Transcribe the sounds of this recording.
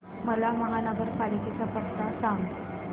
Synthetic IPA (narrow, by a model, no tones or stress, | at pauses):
məlaməŋanabəɾpalikit͡sapəst̪asaŋɡ